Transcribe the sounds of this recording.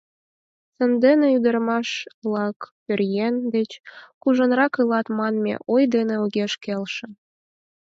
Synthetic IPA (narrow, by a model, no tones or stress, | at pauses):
sə̆nd̪eneyd̪ərmɑʃlˠɑkpørjend̪et͡ɕkuʒə̆nrɑkɯlɑt̪mɑnmʲḛʔojd̪enĕoɣeʃkelʃĕ